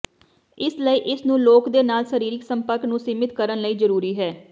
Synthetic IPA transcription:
ɪsləiːʔɪsnũːloːkd̪eːnaːlsəɾiːɾɪksəmpəɾknũːsiːmɪt̪kəɾənləiːzəɾuːɾiːɦɛː

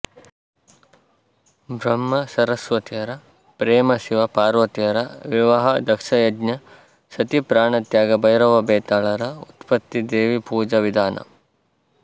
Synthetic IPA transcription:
bʱɾɐmːɐsɐɾɐsʋɐt̪ijɐɾɐ | pɾeːmɐsiʋɐpaːɾʋɐt̪ijɐɾɐʋiʋɐɦɐd̪ɐkʂɐjɐdnɐ | sɐt̪ipɾaːɳɐt̪jaːɡɐbɐjɾɐʋɐbeːt̪aːɭɐɾɐut̪pɐt̪ːid̪eːʋipuːd͡ʒɐʋid̪ʱaːnʔɐ̰

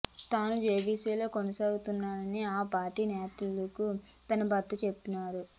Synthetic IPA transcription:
t̪aːnud͡ʒeːbiːseːlo̞ːkonɐsaːɡut̪unːaːɾɐniaːpaːɾʈːiːnɛːt̪ulɐku | t̪ɐnɐbɐt̪ːɐt͡ʃe̞pːinaːɾu

